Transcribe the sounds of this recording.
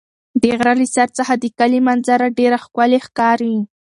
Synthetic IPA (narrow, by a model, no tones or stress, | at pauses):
d̪əɣɾaɾisaɾt͡səxad̪əkalimanzaɾaɖeɾaxkwalexkɑɾi